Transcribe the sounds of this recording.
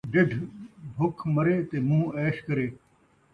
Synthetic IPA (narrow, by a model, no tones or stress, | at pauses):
ɖɪɖʱbʱʊkʰməɾeːt̪eːmũːɛːʃkəɾeː